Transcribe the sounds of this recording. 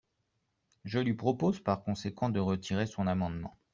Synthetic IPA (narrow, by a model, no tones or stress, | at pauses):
ʒəlɥipχɔpozpaʁkɔ̃sekɑ̃d̪əʁət̪ʰiʁesɔ̃namɑ̃d̪mɑ̰̃